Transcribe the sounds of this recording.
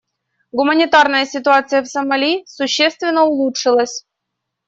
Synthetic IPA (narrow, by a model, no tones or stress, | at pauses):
ɡʊmənʲɪt̪arnəjəsʲɪt̪ʊat̪sɨjəfsəmɐlʲisʊɕːest̪vʲɪnːəʊlˠutʂɨlˠəsʲ